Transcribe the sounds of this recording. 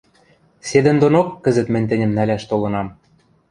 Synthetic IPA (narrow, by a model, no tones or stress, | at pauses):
sed̪ɘ̆nd̪onokːə̆zə̆t̪mɘ̆nʲt̪ɘ̆nʲɘ̆mnælæʃt̪olɤ̆nɑm